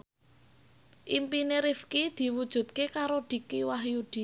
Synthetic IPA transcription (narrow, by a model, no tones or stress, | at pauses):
ʔimpineɾifkid̪̥i̤wud̥ʒ̥ṳt̪̚kekaɾod̪̥i̤kiwahjud̪̥i